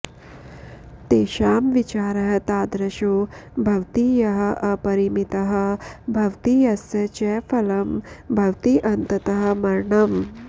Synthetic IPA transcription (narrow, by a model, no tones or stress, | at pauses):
t̪eːʃaːmʋit͡ʃaːɾɐɦɐ̆t̪aːd̪ɾɐʃoːbʱɐʋt̪iːjɐɦɐ̆ʔɐpɐɾimit̪ɐɦɐ̆bʱɐʋt̪ijɐsɐt͡ʃɛfɐlɐmbʱɐʋt̪iːʔɐnt̪ɐt̪ɐɦɐ̆mɐɾɳɐm